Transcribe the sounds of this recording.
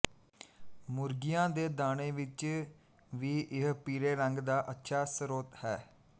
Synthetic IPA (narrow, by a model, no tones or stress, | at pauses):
mʊɾɡɪjãːd̪eːd̪aːɽẽːʋɪt͡ʃ | ʋiːʔɪɦpiːɾeːɾəŋɡd̪aːʔətːʃʰaːsəɾoːt̪hɛː